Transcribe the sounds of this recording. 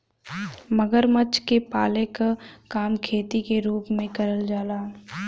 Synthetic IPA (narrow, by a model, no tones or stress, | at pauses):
məɡəɾmət͡ʃkepaːlekakaːmkʰeːt̪ikeɾuːpmẽkɐɾəld͡ʒaːlaː